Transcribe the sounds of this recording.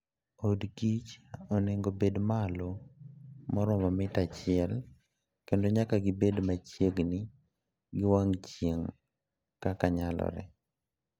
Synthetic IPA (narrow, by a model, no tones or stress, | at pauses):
odkit͡ʃɔneŋɡobedmalo | mɔɾɔmamɪtat͡ʃɪɛl | kendoɲakaɡɪbedmat͡ʃjeɡnɪ | ɡɪwaŋt͡ʃjeŋ | kakaɲalɔ̰ɾɛ̰